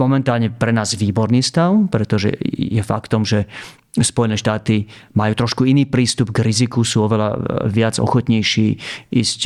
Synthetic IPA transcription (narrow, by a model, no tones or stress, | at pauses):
mɔmɛnt̪aːlɲɛpɾɛnaːzʋiːbɔɾniːst̪aʊpɾɛt̪ɔʒɛ̰jɛfa̰kt̪ɔmʒɛ | spɔjɛnɛːʃt̪aːt̪imajuːt̪ɾɔʃkuiniːpɾiːst̪ubɡɾizikusuːɔʋɛla̰ʋɪad͡zɔ̰xɔt̪ɲɛjʃiːʔiːsc